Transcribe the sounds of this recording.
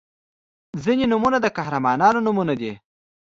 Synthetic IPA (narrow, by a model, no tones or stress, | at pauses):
zinenʊmunad̪əkahɾamɑnɑnonʊmunad̪e